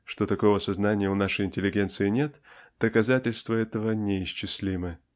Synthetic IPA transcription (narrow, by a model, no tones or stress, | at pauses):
ʂt̪o̞t̪ɐko̞vəsɐznanʲɪjəʊnaʂəjɪnʲtʲɪlʲɪɡʲe̞nt̪sɨɪnʲe̞t̪d̪̥əkɐzatʲɪlʲst̪vəɛt̪əvənʲɪɪɕt͡ɕːɪsʲlʲimɨ